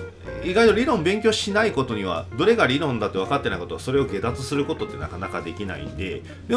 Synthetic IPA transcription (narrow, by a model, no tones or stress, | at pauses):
iɡait̪oɾʲiɾõ̞mbẽ̞ŋkʲo̞ːɕinaiko̞t̪o̞ɲ̟iβ̞a̰d̪o̞ɾe̞ɡaɾʲiɾõ̞nd̪at̪ːe̞βakat̪ːe̞naiko̞t̪o̞aso̞ɾe̞o̞ɡe̞d̪at͡sɨsɨɾɯ̟ko̞t̪o̞t̪ːe̞na̰kanakad̪e̞kʲina̰ḭ̃nd̪e̞̰ | d̪e